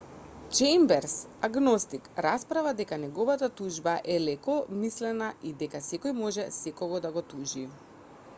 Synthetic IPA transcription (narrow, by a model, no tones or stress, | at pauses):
t͡ʃɛjmbɛɾsaɡnɔst̪ikɾaspɾavad̪ɛkanɛɡɔvat̪at̪uʒbaʔɛlɛkɔmislɛnaid̪ɛkasɛkɔjmɔʒɛsɛkɔɡɔd̪aɡɔt̪uʒi